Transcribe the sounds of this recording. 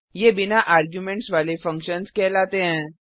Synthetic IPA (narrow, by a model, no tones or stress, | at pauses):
jebinaʔaːɾɡjumẽɳʈsʋalefə̃ŋkʃənskɛlat̪eɦɛ̃ː